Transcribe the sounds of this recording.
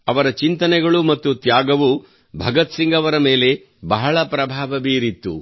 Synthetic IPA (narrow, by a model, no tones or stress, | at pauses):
ɐʋɐɾɐt͡ʃint̪ɐnɛɡɐɭumɐt̪ːut̪jaːɡɐʋu | bʱɐɡɐt̪siŋɡɐʋɐɾɐmeːle̞ | bɐɦɐɭɐpɾɐbʱaːʋɐbiːɾit̪ːu